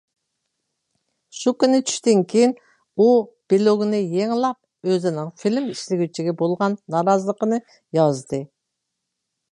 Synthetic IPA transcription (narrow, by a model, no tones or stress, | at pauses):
ʃukʲynɪt͡ʃʰy̥ʃt̪ɪŋkʲʰejin | ub̥iloɡunɪjeŋlˠɑp̚ | øzɪnɪŋfilmiʃlɪɡʲyt͡ʃʰiɡʲɛbolˠʁɑnːɑɾɑzəlˠəqənɨ | jɑzd̪ɨ